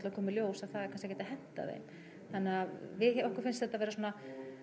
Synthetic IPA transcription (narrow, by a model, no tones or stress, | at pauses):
t̪lakʰɔːmɪljoːwsaðθaðɛɾkʰanskakcɛːt̪ahɦɛm̥t̪a̰ðḛjm | θanːɪavɪðɛɔhkʏ̥ɾfɪnst̪θɛt̪avɛːɾasuːna